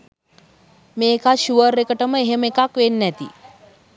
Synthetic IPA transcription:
meːkaʃuʋərːekəʈəməeɦemekakʋenːɛt̪ḭ

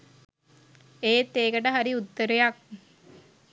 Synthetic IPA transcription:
eːt̪ːeːkəʈəɦaɾiut̪ːəɾejak̚

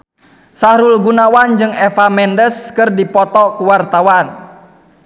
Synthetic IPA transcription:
saɾulɡunawand͡ʒɨŋɛfamɛndəskɨrdipɔt̪ɔkuwart̪awan

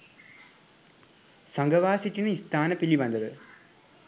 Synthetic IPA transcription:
sɐŋɡɐʋaːsitːinist̪ʰaːnɐpilːiʋɐnd̪ɐðɨ

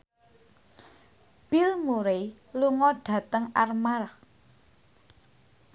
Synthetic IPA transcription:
b̥ilmuɾe | luŋɔɖ̥ä̤t̪əŋa̰rmar

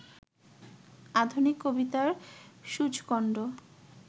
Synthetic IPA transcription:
ad̪ʱunikːobit̪aɾʃud͡ʑʱkɔɳɖo

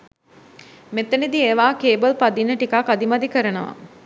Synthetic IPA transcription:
met̪ənid̪ieːʋaːkeːbəlpad̪inːəʈikakad̪imad̪ikəɾənəʋa̰

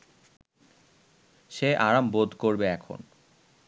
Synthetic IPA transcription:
ʃeʔaɾambod̪ʱkoɾbeɛkʰo̰n

